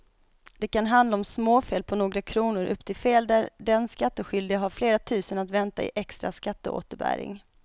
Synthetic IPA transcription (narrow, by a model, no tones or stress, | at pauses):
d̪ɛkanɦand̪laɔmsmoːfeːl̚pʰɔnoːɡɾakʰɾuːnʊɾʔɵ̰pːt̪ʰɪlfeːld̪æɾɖɛnskat̪ːəɧʏld̪ɪaɦaɾfleːɾat̪ʰʉ̟ːsənat̪vɛnt̪a̰ɪ̰ʔɛkst̪ɾaskat̪ːəo̰ːt̪əɾbæ̰ːɾɪ̰ŋ